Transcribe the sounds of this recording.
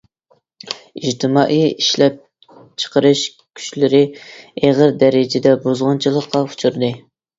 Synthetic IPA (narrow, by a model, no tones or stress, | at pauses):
iʒt̪ʰɨmɑːʔijiʃlɛp̚ | t͡ʃʰə̥qəɾɨʃ | kʲʰy̥ʃlɪɾɪeʁəɾd̪ɛɾɪd͡ʒɪd̪ɛbozʁɑnt͡ʃʰilˠəqːɑu̥t͡ʃʰuɾd̪ɨ